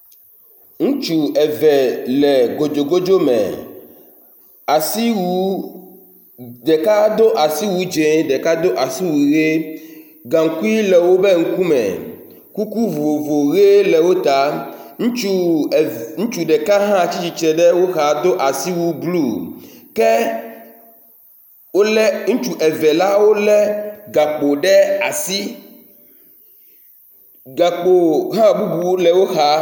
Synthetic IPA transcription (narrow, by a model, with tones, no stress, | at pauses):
ŋũ˦t͡ʃu˨ɛ˨vɛ˨lɛ˨ɡo˨d͡ʒo˨ɡo˦d͡ʒo˦mɛ̰̃˨ | a˨si˦wu˦ | ɖɛ˨ka˦d̪o˦ʔa˨si˦wu˨d͡ʒẽ˨˦ɖɛ˨ka˦d̪o˦ʔa˨si˦wui˨ɣe˦ | ɡã˨ŋ̩˨ku˦i˦lɛ˨wo˦bɛ˦ŋ̩˦ku˦mɛ̰̃˨ | ku˦ku˦vo˨vo˨ɣe˦lɛ˨wo˦t̪a˦ŋũ˦t͡ʃu˦˨ | ŋũ˦t͡ʃu˨ɖɛ˨kã˦ɦã˦˨t͡ɕi˦t͡ɕi˨t͡ʃɛ˨ɖɛ˦wo˦xa˨d̪o˦ʔa˨si˦wu˦blu˦˨kɛ˦ | wo˦lɛ˦ŋũ˦t͡ʃu˨ʔɛ˨vɛ˨la˦wo˦lɛ˦ɡa˨k͡po˨ɖɛ˦a˨si˦ | ɡa˨k͡po˨ɦã˦bu˦bu˨wlɛ˨wo˦xa˨˦